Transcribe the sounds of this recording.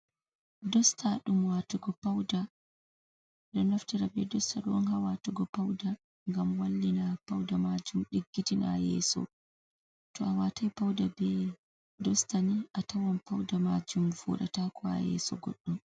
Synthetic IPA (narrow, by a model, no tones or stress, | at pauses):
dɔstʰaɗumwatuɡɔpawda | ɗɔnaftiɾabɛdɔstaɗɔnɦawatuɡɔpawda | ŋɡamwalːinapawdamad͡ʒumɗiɡːitina̰jɛ̰ːsɔ̰ | tɔawatajpawdabɛ | dɔstaniʔatawanpawdamad͡ʒumfṵːɗatakʰɔa̰jɛ̰sɔ̰ɡɔ̰ɗːum